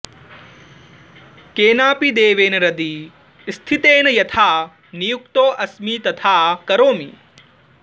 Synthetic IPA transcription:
keːnaːpid̪eːʋeːnɐɾɐd̪i | st̪ʰit̪eːnɐjɐt̪ʰaː | nijukt̪oːʔɐsmiːt̪ɐt̪ʰaːkɐɾoːmḭ

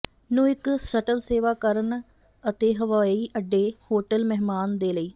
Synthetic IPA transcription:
nũːɪksəʈəlseːʋaːkəɾən | ət̪eːɦəʋaːiːʔəɖːeːhoːʈəlmɛɦmaːnd̪eːləiː

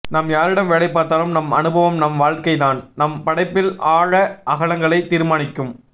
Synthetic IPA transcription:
nɐmjaːɾɪɽɐmʋeːɭɐɪpːaːɾt̪aːlɯmnɐmɐnɯbɐʋɐmnɐmʋaːɻkɐɪðaːnnɐmpɐɽɐɪpːɪlaːɻɐʔɐɣɐɭɐŋɡɐɭɐɪt̪iːɾɯmaːnɪkːɯm

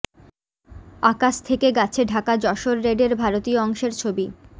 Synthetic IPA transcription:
akaʃt̪ʰekeɡat͡ɕʰeɖʱakad͡ʑɔʃoɾːeɖeɾbʱaɾot̪ioɔŋʃeɾt͡ɕʰobi

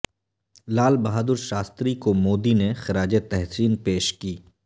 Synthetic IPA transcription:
laːlbɐɦaːd̪ʊɾʃaːst̪ɾikomoːd̪inexɪɾaːd͡ʒet̪ɛɦsiːnpeːʃkiː

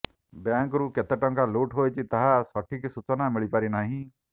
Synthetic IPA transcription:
bjãŋkɾuket̪əʈɔ̃ŋkaloːʈɦojt͡ʃit̪ɐɦasɔʈʰiksut͡ʃɔnamiɭipaɾinaɦĩ

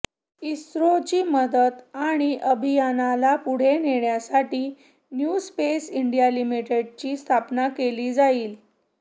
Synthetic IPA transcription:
isɾot͡ɕiːməd̪ət̪aɽ̃iʔəbʱijanalapuɽ̤eneɳjasaʈiː | njuspesiɳɖijalimiʈeɖ̚t͡ɕiːst̪ʰapnakeliːd͡zaiːl

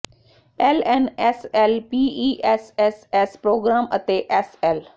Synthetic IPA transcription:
ɛːlɛːnɛːsɛːlpiːiːʔɛsɛsɛːspɾoːɡɾaːmə̰t̪eːʔɛːsɛːl

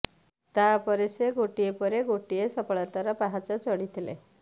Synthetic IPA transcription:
t̪apɔɾeseɡoʈiepɔɾeɡoʈijesɔpɔɭɔt̪aɾɔpaɦat͡sɔt͡sɔɽit̪ʰilḛ

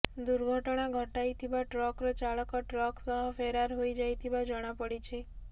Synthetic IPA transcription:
d̪uɾɡʱəʈɽ̃aɡʱəʈajt̪ʰibaʈɾɔkɾɔt͡ʃaɭəkɔʈɾɔksəɦəfeɾaɾɦoid͡ʒajt̪ʰibãd͡ʒəɽ̃ãpəɽit͡ʃʰe

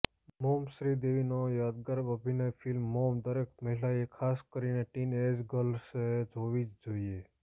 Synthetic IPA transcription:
momʃɾid̪eʋinojad̪̚ɡəɾbəbʱinajfilmːomd̪əɾekməɦilaekʰaskəɾineʈined͡ʒɡəlsed͡ʒoʋid͡ʒd͡ʒoːie

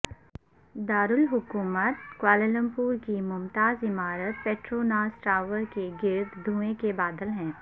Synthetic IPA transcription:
d̪aːɾʊlɦʊkuːmət̪kwaːlələ̃mpuːɾkimʊmt̪aːzɪmaːɾət̪̚peːʈɾoːnaːsʈɾaːʋəɾkeɡɪɾt̪d̪ʱũːẽkebaːd̪əlɦɛ̃ː

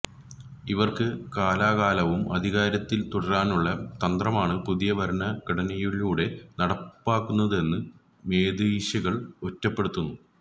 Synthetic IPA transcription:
iʋɐrkɨkaːlaːɣaːlɐʋumʔɐd̪ʱiɣaːɾɐt̪ːilt̪uɽɐraːnuɭːɐt̪ɐnd̪rɐmaːɳɨpuðijɐʋɐɾɐɳɐkiɽɐnɐjiɭuːɽe̞nɐɽɐppːaːkːunːɐðe̞nːɨ | me̞ːd̪iːɕɐɣɐɭo̞tːɐpːeɽut̪ːunːu

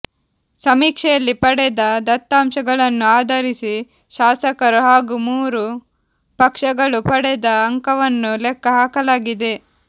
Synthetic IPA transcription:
sɐmiːkʂɛjɐlːipɐɽɛd̪ɐd̪ɐt̪ːaːmʃɐɡɐɭɐnːuaːd̪ʱɐɾisi | ʃaːsɐkɐɾuɦaːɡumuːɾu | pɐkʂɐɡɐɭupɐɽɛd̪ɐːŋkɐʋɐnːulɛkʰːɐɦaːkɐlaːɡid̪e̞

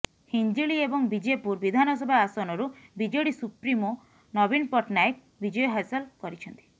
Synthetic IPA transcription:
hind͡ʒiɭiebɔŋbid͡ʒepuɾbid̪ʱanɔs̬ɔbʱaasɔnɔɾubid͡ʒɔjɽisupɾimɔ | nɔbinpɔʈnaik̚ | bid͡ʒɔjɔɦasɔlkɔɾit͡ʃʰɔnt̪i̥

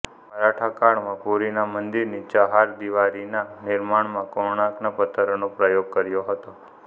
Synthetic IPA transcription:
məɾaʈʰakaɽmãpuɾinamənd̪iɾnit͡ʃəɦaɾd̪iʋaɾinanɪɾmaɳmãkoɾɳãknapət̪ʰəɾonopɾəjoɡ̚kəɾjoɦət̪o

